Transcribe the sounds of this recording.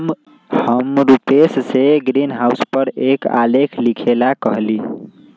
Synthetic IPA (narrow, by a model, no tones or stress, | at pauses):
həmɾupesseɡɾinɦauspəɾeka̰lekʰlikʰelakəɦli